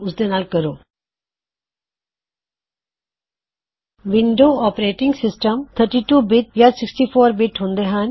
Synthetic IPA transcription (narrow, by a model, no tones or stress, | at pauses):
ʊsd̪enaːlkəɾoː | ʋɪɳɖoːɔːpɾeːʈɪ̃ŋɡsɪsʈəmt̪ʰəɾʈiʈuːbɪʈ̚jasɪksʈiːfʰoːɾbɪʈɦõːnd̪eɦãn